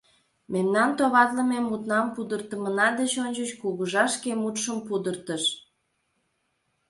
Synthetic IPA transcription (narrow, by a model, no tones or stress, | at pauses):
memnɑnt̪oβɑt̪ləmemːut̪nɑmpud̪ərt̪əmənɑd̪et͡ɕonʲt͡ɕət͡ɕkuɣəʒɑʃkemut̪ʃəmpud̪ərt̪əʃ